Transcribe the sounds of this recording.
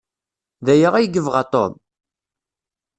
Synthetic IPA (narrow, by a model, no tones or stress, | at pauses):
ðæjəʁæjɡəvʁat̪ˤo̰m